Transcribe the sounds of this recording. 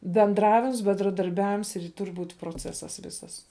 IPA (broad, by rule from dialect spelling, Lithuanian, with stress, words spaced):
bʲɛnˈdrɑːʋʲɪms bʲɛndrɐdɐrʲˈbʲæːʋʲɪms ɪr ˈtʊrʲ ˈbuːtʲ proːˈt͡sʲæːsɐs ˈʋʲɪsɐs